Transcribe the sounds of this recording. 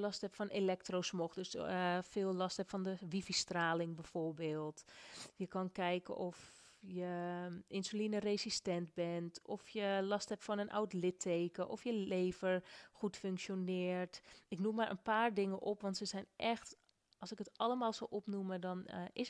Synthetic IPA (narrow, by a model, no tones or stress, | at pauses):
lɔsthɛpfɔnʔelɛk̚trosmoxdøsfɪːlˠlɔsthɛpfɔndəʋifistraːlɪŋbɛforbeːlˠtjəkɑnkɛjkə̰ʔɔf | jəɪnsylinəreːsistɛntbɛntʰɔfjəlɔsthɛptfɔnənʔa̰wtlɪtʰːeːkəʔɔfjəleːvəɹxutføŋkʃjonɪːɹtɪknumːaɹʔə̰npaːɹdɪŋəʔopʋɔntsəsɛjnʔɛxt | ɔlˠsɪkətɑləmaːlˠsɔlʔɔpnumədɔnɪs